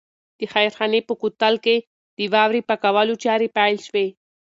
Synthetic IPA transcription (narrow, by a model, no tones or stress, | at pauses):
d̪̥əxajɾxɑnepəkut̪alke | d̪̥iwɑwɾipakawalut͡ʃaɾipajlʃwe